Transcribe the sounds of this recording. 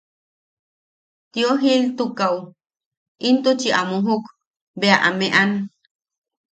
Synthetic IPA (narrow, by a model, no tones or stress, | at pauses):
t̪joɦilt̪ukaw | ʔint̪ut͡ʃiʔamuɦuk | beaʔa̰meʔan